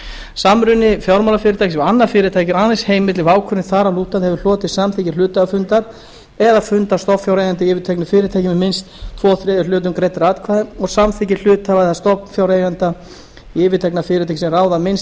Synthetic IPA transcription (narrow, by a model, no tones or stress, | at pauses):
samɾʏnːɪfjɔwɾmawlafɪːɾɪt̪ʰajcsɛmanːaɾfɪːɾɪt̪ʰajcɪɾanɪsheːjmːɪt̪lɪvaːwkʰœɾnɪθaːɾaluːt̪aðhɛvʏl̥ɔːt̪ɪsamθicɪlʏːt̪aafʏnt̪aɾ | ɛðafʏnt̪ast̪ɔfjawɾejant̪ɪɪːvɪt̪ʰɛjknɪfɪːɾɪt̪ʰajcɪmɛmɪnst̪t̪ʰfɔːθɾɛːðʏɾlʏːt̪̬ʏmkɾejt̪ɾaːt̪kʰvaːðɪɔɣsamθicɪl̥ʏːt̪avaðθast̪ɔpnfjawɾejant̪a | ɪvɪt̪ʰɛjknafɪːɾɪt̪ʰajcsɛmraːwðamɪns